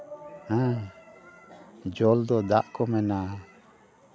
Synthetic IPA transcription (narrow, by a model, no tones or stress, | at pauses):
a | d͡ʒɔld̪ɔd̪aʔkɔmɛna